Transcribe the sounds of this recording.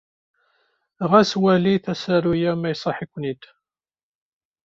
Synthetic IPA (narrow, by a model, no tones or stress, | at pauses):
ʁæswæliθæsæɾujæmæjsˤɑħikʷːnit̪